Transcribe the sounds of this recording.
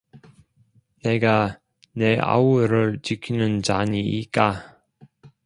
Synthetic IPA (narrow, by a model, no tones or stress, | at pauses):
ne̞ɡa | ne̞a̰uɾɯɭt͡ɕikʰinɯnt͡ɕaɲiːt̚k͈a